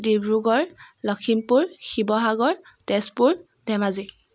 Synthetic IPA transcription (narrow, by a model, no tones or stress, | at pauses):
dibɹuɡɔɹlɔkʰimpuɹxibɔɦaɡɔɹ | tɛspuɹ | dɛmazi